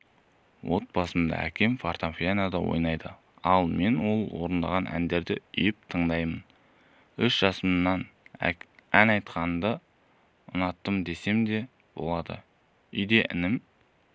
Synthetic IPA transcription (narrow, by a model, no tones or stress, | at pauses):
wʔo̞t̪̚bɑsəmd̪ɑ̰æ̰kʲe̞mfart̪afijanad̪ɑwo̞̰jnɑjd̪ə | ɑlˠme̞nwo̞lˠwo̞̰ɾənd̪ɑʁɑnʔæ̰nd̪e̞ɾd̪ɪʏjɪp̚t̪ʰəɴd̪ɑjmən | ʏʃʒ̥ɑsəmnːɑn | ænɑjt̪qɑnənd̪ə | ʊnɑt̪ːəmd̪e̞se̞md̪e̞ | b̥o̞̰lˠɑd̪ə̰ | ʏjd̪e̞ʔɪ̰nɪm